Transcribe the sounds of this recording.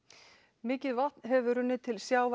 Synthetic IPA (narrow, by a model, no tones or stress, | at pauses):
mɪːcɪðvaht̪nɦɛvʏɾʏnːɪt̪ʰɪlsjaːwv